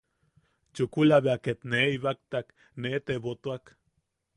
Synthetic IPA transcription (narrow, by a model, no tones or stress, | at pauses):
t͡ʃukulaβeaket̪neiβak̚t̪ak | neːt̪eβot̪uak